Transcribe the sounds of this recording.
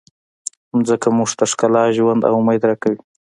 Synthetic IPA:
zəkamʊʐt̪aʂkalɑʒwand̪a̰wmajd̪ɾakawi

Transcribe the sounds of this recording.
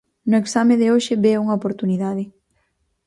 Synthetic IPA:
nʊeksameðɪoʃɪbeuŋaopoɾt̪uniðaðɪ

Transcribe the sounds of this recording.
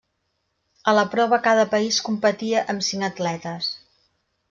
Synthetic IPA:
ələpɾɔβ̞əkaðəpəiskumpət̪iəʔəmsiŋət̪lɛt̪əs

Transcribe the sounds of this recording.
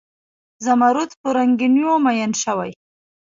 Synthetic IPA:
zamaɾut̪poɾaŋɡinjomajanʃawaj

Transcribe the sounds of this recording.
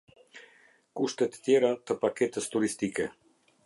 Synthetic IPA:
kuʃt̪ɛt̪ə̥t̪jɛɾat̪əpakɛt̪əst̪uɾist̪ikɛ

